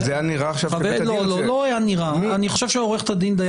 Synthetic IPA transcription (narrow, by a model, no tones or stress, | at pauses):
janiʁaːχʃavavvelololoajaniʁaːniχoʃevʃeoʁeχt̪ad̪ind̪aj